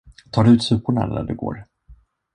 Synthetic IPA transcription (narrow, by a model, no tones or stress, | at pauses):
t̪ʰɑːd̪ɵʉ̟ːt̪sʉ̟ːpʊɳa̰næɖɵɡo̰ːɾ